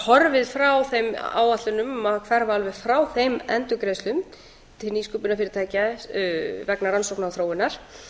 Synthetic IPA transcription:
hɔɾvɪðfɾawθejma̰ːwat̪lʏnʏmakʰvɛɾvaalvɛɣfɾawθejmɛ̰nt̪ʏkɾejslʏm | t̪ʰɪlniːskupʏnafɪɾɪɾt̪ʰaːjca | vɛknaɾansowknawθɾoːwɪnːaɾ̥

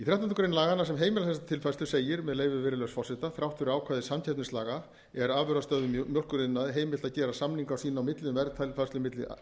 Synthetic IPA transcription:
iθɾawt̪anukːɾejnlaːɣanːasɛmɦeːjmɪlaθɛsat̪ʰɪlfast̪ʏ̥seːjɪɾmɛðleːjvɪvɪːɾɪlœɣsfɔsɪt̪aθɾawht̪ʏɾaːwkʰvaːðɪsamcʰɛt̪nɪstlaːɣa | ɛɾaːvvœɾast̪œðʏmjɔlkʏɾɪnːaðɦeːjmɪl̥t̪aðcɛːɾasamniŋkawsiːnawmɪt̪lʏmvɛɾt̪ʰajlfast̪lʏmɪt̪lɪ̰

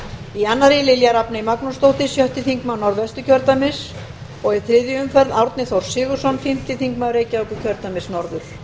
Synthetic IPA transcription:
ianːaɾilɪljaɾapnɪimaknust̪owht̪ɪsjœht̪ɪθiŋkmawnɔɾðɛst̪ʏcʰœɾt̪amɪs | ɔɣɪθɾɪðjʏʏmfɛɾðawɾt̪nɪθowɾ̥sɪːɣʏ̥sɔnfɪm̥t̪ɪθiŋkmawɾeːjcaœkʏcʰœɾt̪amɪsnɔɾðʏɾ̥

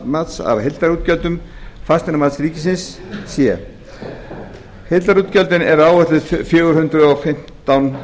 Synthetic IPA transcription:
mat̪sa̰ɾɦejlt̪aɾut̪̚cœlt̪ʏmfast̪ɛnamat̪sɾiːcɪs̬ɪnssjɛ | helt̪aɾuːt̪cœlt̪ɪnɛɾaːwvɛrt̪ɪt̪ʰfjœːɣʏɾ̥hʏnt̪ɾʏɔfɪm̥t̪awn

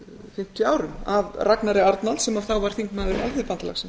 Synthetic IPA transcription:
fɪm̥t̪ʏaːwɾʏmavraknaɾɪaɾt̪nalsɛmavθawvaɾ̥θiŋkmaːðʏɾalfɪpant̪ala̰xsɛm

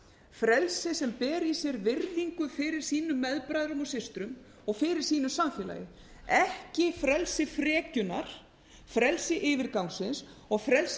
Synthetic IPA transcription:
fɾɛlsɪsɛmpɛːɾisjɛɾvɪrliŋkʏfɪːɾɪɾ̥siːnʏmːɛðpɾajðɾʏmɔsɪst̪ɾʏm | ɔɣfɪːɾɪɾ̥siːnʏsamfjɛːla̰ːjɪ | ɛhcɪfɾɛlsɪfɾɛːcʏnaɾ̥ | fɾɛlsɪʔɪːvɪɾkawŋsɪnsɔɣfɾɛls

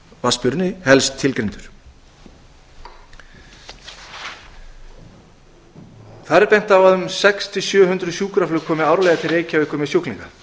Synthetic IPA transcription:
vaspʏɾnɪhɛlst̪ʰːɪlkɾent̪ʏɾ̥ | θaɾɛɾpɛjn̥t̪avaðʏmsɛkst̪ʰɪsjœːɦʏnt̪ɾʏsjuːkɾaflʏkʰɔːmɪawɾlɛjɣat̪ʰɪɾeːjcaʏhkʏɾmɪsjohklḭŋka

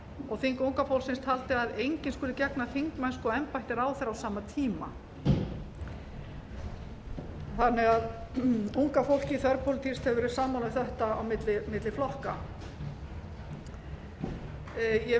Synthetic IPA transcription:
ɔɣθiŋkuwŋkafowlsɪnst̪ʰhalt̪ɪaðejɲcɪnskʏːlʏcɛknaθiŋkmajnskɔɛmpajht̪ɪɾaːwθɛɾawsaːmat̪ʰiːma | θanːɛɣaðuŋkafowl̥cɪiθœɾpʰolɪt̪ʰist̪hɛvvɛɾɪ̥saːmawnaɪθɛht̪aawmɪt̪lɪmɪt̪lɪflɔhka | jɛ

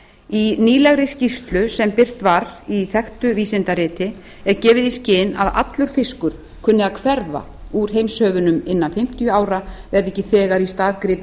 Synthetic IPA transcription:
iniːlɛɣɾɪscist̪lʏsɛmpɪr̥t̪vaɾiθɛxt̪ʏviːsɪnt̪aɾɪːt̪ɪ | ɛɾcɛːvɪðiscɪːna̰ða̰t̪lʏɾ̥fɪskʏɾ̥ | kʰʏnːɪaðkʰvɛɾva̰ | uɾ̥ɦejmshœːvʏnʏmɪnːanfɪm̥t̪ijʏaːwɾavɛɾðɛhcːɪθɛːɣaɾist̪aːðkɾɪːp

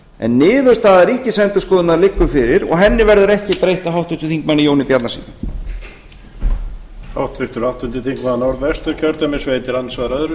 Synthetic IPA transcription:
ɛ̰nːɪːðʏ̥st̪aːðaɾiːcɪsɛnt̪ʏskɔːðʏnaɾlɪkːʏfɪɾɪɾɔ̰ɣɦɛnːɪvɛɾðʏɾɛhcɪpɾejht̪aɦawht̪vɪnt̪ɪ̥t̪θiŋkmanːɪjoːwnɪpjat̪nasḭːnɪ | hawht̪vɪht̪ʏɾawht̪ʏnt̪ɪt̪ʰiŋkmannɔɾðɛst̪ʏɾcʰœɾt̪amɛsvejt̪ɪɾansvaːðɾœðɾʏ

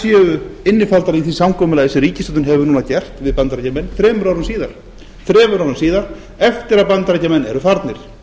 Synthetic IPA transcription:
sjɛːʏɪnːɪfalt̪aɾiθisamkʰɔːmʏlaːðɪsɪɾiːcɪst̪ʏt̪ʏnɦɛvʏnuːnacɛr̥t̪vɪðpant̪ɾɛcamɛnːθɾɛːmʏɾawɾʏmsiːðaɾ̥ | θɾɛːmʏɾawɾʏmsiːðaɾ̥ | ɛft̪ɪɾaðpant̪ɾɛcamɛnːɛɾʏfaɾt̪nɪɾ̥

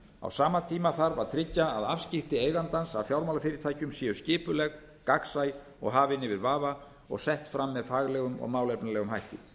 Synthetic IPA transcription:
a̰wsaːmat̪ʰiːmaθaɾvaɾ̥t̪ʰɾɪcːaːðafscɪht̪ɪeːjɣant̪ansafjawɾmawlafɪːɾɪt̪ʰaːjcʏmsjɛːʏscɪːpʏlɛɣ | kaksaj | ɔɣɦaːvɪnːɪvɪɾvaːva | ɔ̰ɣsɛht̪fɾamːɛðfaːɣlɛɣʏmɔ̰ɣmaːwlɛpnalɛɣʏmɦajht̪ɪ

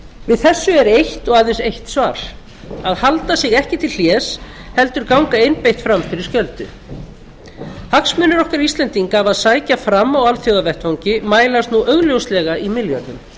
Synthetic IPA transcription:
vɪðθɛsːʏɛɾejht̪ɔɣaðensejht̪svaːɾ̥ | aðhalt̪asɪɣɛhcɪt̪ʰɪlɬjɛːshɛl̪t̪ʏɾkawŋkaejnpejht̪fɾamfɪɾɪɾ̥scœlt̪ʏ | haksmʏnːɪɾɔhkaɾist̪lɛnt̪iŋkaːvaðsaːjcafɾamːawalθjowðavɛht̪vawɲcɪmaːjlast̪nuʔœɣljowslɛɣaʔimɪljœt̪nʏm

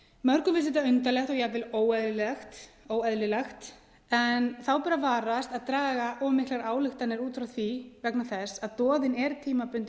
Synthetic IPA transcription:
mœɾkʏvɪls̬ɛt̪aʏnt̪alɛxt̪ɔɣjɛɣvɪloːwɛðllɛxt̪ | oːwɛðlɪlɛxt̪ | ɛnθawpaɾavaːɾast̪aðt̪ɾaːɣaʔɔmɪhklaɾaːwlɪxt̪anːɪɾuːt̪fɾawθvivɛknaθɛsːaðt̪ɔːðɪnɛɾt̪ʰiːmapʏnt̪

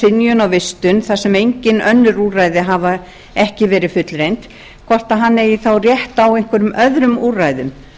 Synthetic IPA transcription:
ɪnjʏnawvɪst̪ʏnθasɛmejɲcɪnœnːʏɾuːrajðɪɦava | ɛhcɪvɛːɾɪfʏt̪lɾejnt̪ | kʰvɔr̥t̪aɦanːɛjiθawrjɛht̪awejŋ̥kvɛɾʏmœðɾʏmuːrajðʏm

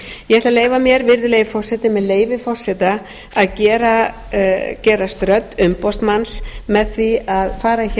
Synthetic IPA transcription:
jɛɛht̪laleːjvamjɛɾvɪɾðʏlejɣɪfɔr̥sɛt̪ɪmɛðleːjvɪfɔr̥sɛt̪a | aðcɛːɾa | cɛːɾast̪ɾœt̪ːʏmpɔst̪mansmɛðθviaðfaːɾaç

